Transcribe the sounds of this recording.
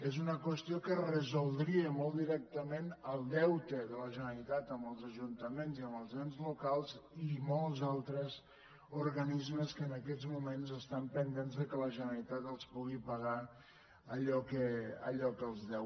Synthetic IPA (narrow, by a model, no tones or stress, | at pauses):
ezunəkwəst̪iokərəzulˠd̪ɾiəmɔlˠd̪iɾɛk̚t̪əmenəlˠd̪ɛwt̪əðələʒənəlit̪at̪əmbəlˠzəʒunt̪əmenziəmbəlˠznenzlukalˠzimɔlˠzalˠt̪ɾəz | uɾɣənizməskəːnəkɛzmumenzəst̪ampənd̪enzðəkələʒənəɾɾit̪at̪əlˠspuɣipəɣa | əʎɔkəə̰ʎɔkəlˠzðɛw